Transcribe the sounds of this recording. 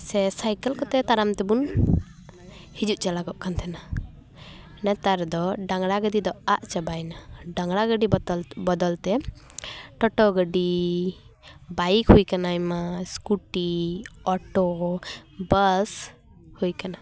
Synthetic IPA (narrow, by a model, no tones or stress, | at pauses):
sɛsajkɛlkɔt̪ɛt̪aɾamt̪ɛbun | hid͡ʒuʔ̚t͡ʃalaɡɔʔkant̪ʰɛna | nɛt̪aɾd̪ɔɖaŋɡɽaɡəd̪id̪ɔaʔt͡ʃabajnaɖaŋɡɽaɡəɖibɔd̪ɔlt̪ɛ | ʈɔʈɔɡəɖi | bajkhujkanajmaskuʈiɔʈɔ | bəs | hujkana